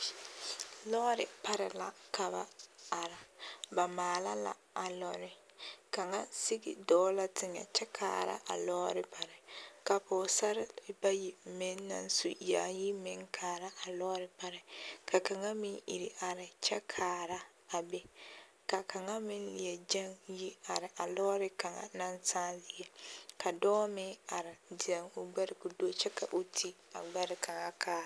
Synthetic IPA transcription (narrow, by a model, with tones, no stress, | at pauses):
lɔː˦ɾɪ˨pa˦ɾɪ˨la˨ka˨ba̰˨a˨ɾa˨ba˨maː˨la̰˦la̰˦ | a˨lɔ˦˨ɾɪ˦ | ka˨ŋa˦si˦ɡḭ˨dɔː˨˦la˦tʰɪ˦ŋɛ̰˨t͡ʃɛ˦kʰa̰ː˨ɾa̰˦ʔa̰˨lɔː˦ɾɪ˨pa˨ɾɪ˨ka˨pɔː˨sa˦ɾɪ˦ba˦ji˨mɪ˦nː˦a̰˦nsu˨ja̰ː˨ji˦mɪ˦ŋkʰaː˨ɾa˦ʔa˨lɔː˦ɾɪ˨pa˦ɾɪ˨kʰa˨ka˨ŋa˦mɪ˦nʔḭ˨ɾi˨ʔa˨ɾɪ˨t͡ʃɛ˦kʰaː˨ɾa˦ | a˨bɛ˦ | ka˨ka˨ŋa˦mɪ˦n˦lɪ˨ɛ˨d͡ʒa˦ŋji˦a˨ɾɪ˨ʔa˨lɔː˦ɾɪ˦ka˨ŋa̰˨na˦nsaː˦zi˨ɛ˦ka˨dɔː˦mɪ˦a˨ɾɪ˨dɪ˨a˨ŋu˨ɡ͡bɛ˦ɾɪ˨ku˨do˦t͡ʃɛ˦kʰa̰˨ʔu˨tʰi˦ | a̰˨ɡ͡ba˦ɾɪ˨kʰa˨ŋa˦kʰaː˦